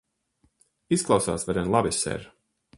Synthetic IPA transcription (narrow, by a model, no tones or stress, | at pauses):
isklˠawsa̰ːsvɛɾɛnlˠabisɛ̰ɾ